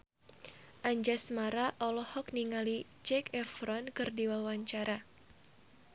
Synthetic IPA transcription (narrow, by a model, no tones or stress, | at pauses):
ʔaɲd͡ʒasmaɾaʔɔlɔhɔk̚niŋalit͡ʃɛkɛfɾɔnkɨrdiwawaɲt͡ʃaɾa